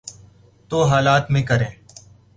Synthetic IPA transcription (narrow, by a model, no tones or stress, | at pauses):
t̪oːɦaːlaːt̪mẽːkəɾẽː